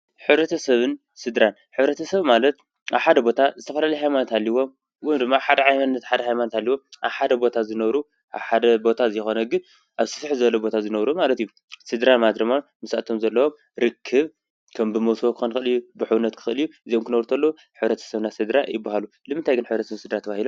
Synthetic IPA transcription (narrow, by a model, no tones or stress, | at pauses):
ħɨβɾɐt̪ʰɐsɐβɨn | sɨd̪ɾan | ħɨβɾɐt̪ʰɐsɐβmalɐt̪̚ | ʔaβħad̪ɐbo̞t̪ʰazɨt̪ʰɐfɐlalɐjɦajmanot̪halːiwo̞m | wind̪ɨmːaħad̪ɐʕajmanɨnːɐt̪ħad̪ɐɦajmanot̪halːiwo̞ʔa̰βħad̪ɐbo̞t̪ʰazɨnɐβɾu | ʔa̰βħad̪ɐbo̞t̪ʰazjxo̞nɐɡɨn | ʔaβsɨ̥fħzɨβɐlɐbo̞t̪ʰazɨnɐβɾumalɐt̪iju | sɨd̪ɾanmad̪ɾɐmanmɨsa̰t̪ʰo̞mzɐlːɐwo̞m | ɾɨkʰːɨβ | kʰɐmbɨmɐwswokʰɨxunɨxɨlijːubɨħɨwunːɐt̪kʰɨ̥xʔɨlijuʔɨzijomkʰɨnɐβɾt̪ʰɐlːɐu | ħɨβɾɐt̪ʰɐ̥sɐβnasɨd̪ɾajɪbːahalu | lɨmɨnt̪ʰajɡɨnħɨβɾɐt̪ɐsɐβnsɨd̪ɾat̪ʰɐβahilom